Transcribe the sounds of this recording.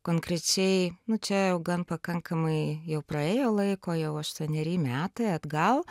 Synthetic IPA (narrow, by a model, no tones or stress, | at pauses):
koːŋkɾʲɛt͡ʃʲɛɪnʊt͡ʃʲɛjɛʊɡɐnpɐkɐŋkɐmɐɪjɛʊpɾɐeːjoːlˠɐɪkoːjɛʊɐʃt̪uɔnʲɛɾʲiːmʲæːt̪ɐɪɐd̪ɡɐlˠ